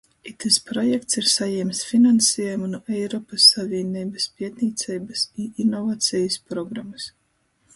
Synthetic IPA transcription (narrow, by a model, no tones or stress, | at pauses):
it̪ɨspɾɔjɛkt̪siɾsajɛmsfʲinansʲɛːjjumunuʔɛjɾɔpɐsːavʲiɛnʲiːbɐspʲiɛt̪nʲiːt̪sɛjbɐsiʔinɔvaːt̪sʲɛjispɾɔɡɾamɨs